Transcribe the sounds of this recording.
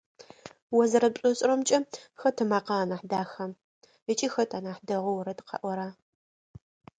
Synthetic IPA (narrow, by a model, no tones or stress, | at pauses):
wɔzɐɾɐpɕʷʼʊɕʼɾɐmt͡ʃʼɐxɐtʰɨmaːqɑːnaħdaːxɐ | ət͡ʃʼixɐtʰaːnaːħdɐʁʷʊwɾɐtqɐ̰ʔʷɔɾaː